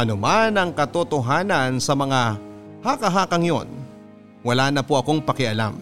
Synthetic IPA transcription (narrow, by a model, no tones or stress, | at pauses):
ʔɐnʊmanɐŋkɐt̪ot̪oɦaːnɐnsɐmɐŋa | hakɐɦaːkɐŋjo̰n | wɐlaːnɐpoʔɐko̞ŋpɐkɪʔɐla̰m